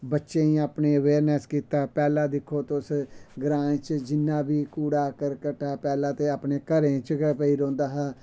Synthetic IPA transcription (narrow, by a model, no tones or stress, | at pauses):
bətːʃeːĩːaːpneːəʋeːɾnɛskiːt̪aːpɛːlãːd̪ɪkʰːoːt̪osɡɾãːt͡ʃd͡ʒɪnːãːbiːkuːɽaːkəɾkəʈːaːpɛːlãːt̪eːaːpneːkəɾẽːt͡ʃpəiːɾõːnd̪aːɦaː